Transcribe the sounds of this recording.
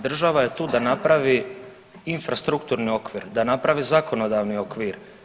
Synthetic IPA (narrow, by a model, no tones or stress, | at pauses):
d̪r̩ʒaʋaje̞t̪uːd̪anapɾaʋi | infɾast̪ɾukt̪uːɾnio̞kʋiːɾd̪anapɾaʋizako̞no̞d̪aʋnio̞kʋiɾ